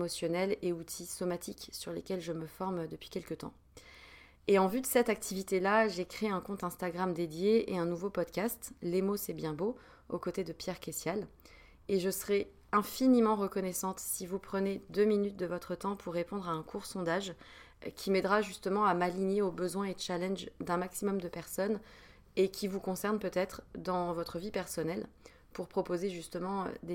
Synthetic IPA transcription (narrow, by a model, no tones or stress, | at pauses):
emɔsjɔnɛleut̪ʰisɔmat̪ʰiksyʁlḛkʲɛlʒəməfɔʁmd̪əpɥ̥i̥kʲɛlkət̪ɑ̰̃ | eɑ̃vyd̪əsɛt̪ak̚t̪ʰivit̪elaʒekχeɛ̃kɔ̃t̪ɛ̃st̪aɡʁamd̪ed̪jeeɛ̃nuvopɔd̪kʲast̪lemosɛbjɛ̃bo | o̰kot̪ed̪əpjɛʁkʲesjal | eʒəsəχɛ | ɛ̃finimɑ̃ʁəkɔnɛsɑ̃t̪sivupχəned̪øminyt̪̚d̪əvɔt̪χət̪ɑ̃pʰuʁːepɔ̃d̪ʁaɛ̃kʰuʁsɔ̃d̪aʒ | kʲʰimɛd̪ʁaʒyst̪əmɑ̃amaliɲeobəzwɛ̃eət͡ʃalɛnʒd̪ɛ̃maksimɔmd̪əpɛʁsɔn | ekʲʰivukɔ̃sɛʁnpøt̪ɛt̪χd̪ɑ̃vɔt̪χəvipɛʁsɔnɛl | puʁpχɔpozeʒyst̪əmɑ̰̃d̪e